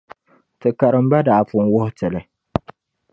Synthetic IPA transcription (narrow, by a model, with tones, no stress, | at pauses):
tɨ˨ka˨ɾɨ˨m̩˦ba˦daː˨fʊ˦n˦wʊ˦hʊ˦tɨ˨lɨ˨